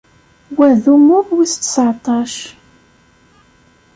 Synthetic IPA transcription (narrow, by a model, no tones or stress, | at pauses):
wæðumʊðwist̪ːə̥sʕt̪ˤɑʃ